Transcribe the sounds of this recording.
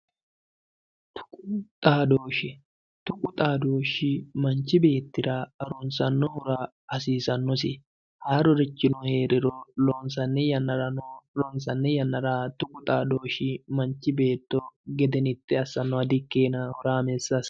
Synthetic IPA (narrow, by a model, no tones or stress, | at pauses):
t̪ʰʊ̥kʼʊt̪ʼaːd̪oːʃɪ | t̪ʊkʼʊt̪ʼaːd̪oːʃɪmɐnt͡ʃːɪbe̞ːt̪ːɪɾɐɐɾɔnsɐnːɔhɔɾa | ɐsiːsɐnːɔsɪ | haːɾɔɾɛt͡ʃːɪnɔhe̞ːɾɪɾɔlɔːnsɐnːɛjɐnːɐɾɐnɔlɔnsɐnːɛjɐnːɐɾat̪ʊkʼʊt̪ʼaːd̪oːʃɪmɐnt͡ʃːɪbe̞ːt̪ːɔɡɛd̪ɛnɪt̪ːɛɐsːɐnːɔɐd̪ɪkːeːnɐhɔɾaːmɛsːɐs